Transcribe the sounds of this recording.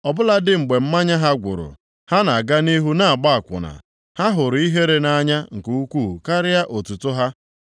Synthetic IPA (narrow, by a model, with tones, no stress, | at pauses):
ɔ˨bʊ˦la˦dɪ˦ŋ͡m̩˨ɡ͡be˨m̩˦ma˦ɲa˦ɦa˦ɡʷʊ̰˨ɾʊ̰˨ | ha˦na˨ɡa˦ni˦ɦu˦na˦a˨ɡ͡ba˦a˨kʷʊ̰˨na̰˨ | ha˦ɦʊ˨ɾʊ˨i˦ɦe˦ɾe˦na˦ɲa˦ŋ̩˨ku˨u˦kʷu˦˨ka˦ɾɪ˦ja˦ʔo˨tu˨tʊ˦ɦa˦